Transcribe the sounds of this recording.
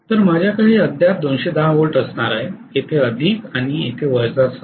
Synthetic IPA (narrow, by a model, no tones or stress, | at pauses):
t̪əɾmad͡ʑʱjakaɦiːəd̪ʱjat̪̚d̪onɕed̪aʋoɭʈəsɳaɾaɦeet̪ʰeəd̪ʱiːkaɽ̃iet̪ʰeʋəɾd͡zas